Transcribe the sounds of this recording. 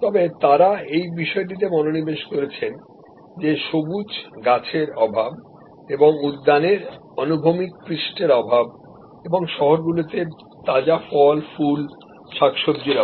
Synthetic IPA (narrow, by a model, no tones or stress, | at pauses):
t̪ɔbet̪aɾaejbiʃɔeʈ̬it̪̬emɔnonibeʃkoɾet͡ɕʰen | d͡ʑeʃobud͡ʑɡat͡ɕʰeɾɔbʱab̚ | eboŋud̪ːaneɾ | ɔnubʱomik̚pɾiʃʈeɾɔbʱab | eboŋʃɔɦoɾɡulot̪e | t̪ad͡ʑafɔlful | ʃakʃobd͡ʑiɾɔ